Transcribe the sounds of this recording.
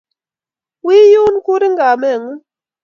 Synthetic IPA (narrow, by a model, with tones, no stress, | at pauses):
wi˦ju˦n˦ku˦ɾi˦ŋɡa˨mɛ˦˨ŋu˦